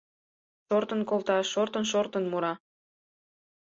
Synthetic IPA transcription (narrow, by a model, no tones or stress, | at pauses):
ʃort̪ənkolˠt̪ɑʃort̪ənʃort̪ənmuɾɑ